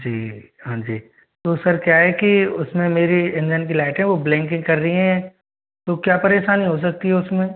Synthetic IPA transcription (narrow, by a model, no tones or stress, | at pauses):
d͡ʒiː | ɦãːd͡ʒiː | t̪oːsɐɾkjaːɦɛkiʊsmẽmeːɾiɪ̃nd͡ʒənk̬ilaːʈɦɛ̃ʋoblɛ̃ːŋkɪ̃ŋɡkɐɾːəɦiɦɛ̃ | t̪okjaːpɐɾeːʃaːniɦos̬ɐk̚t̪iɦɛʊsmẽː